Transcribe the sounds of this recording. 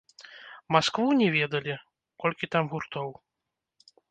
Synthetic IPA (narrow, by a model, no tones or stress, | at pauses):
maskvunʲɛvʲɛd̪ɐlʲi | kɔlʲkʲit̪amɣurt̪ɔw